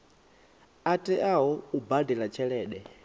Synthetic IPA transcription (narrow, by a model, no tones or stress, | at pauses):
atʼɛʔaɦɔubadɛlat͡ʃʰɛɺɛːɗɛ